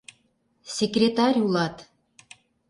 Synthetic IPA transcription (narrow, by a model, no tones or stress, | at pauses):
sʲekrʲet̪ɑɾʲulɑt̪